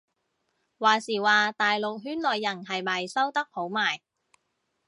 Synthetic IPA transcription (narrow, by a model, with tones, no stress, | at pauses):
waː˨˩siː˨˩waː˨t̪aː˨jlo˨k̚ɦyː˥nlɔː˨jːɐ˨˩nɦɐ˨jmɐ˨˩jsɐ˥wt̪ɐ˥k̚ho˨˥wmaː˨˩j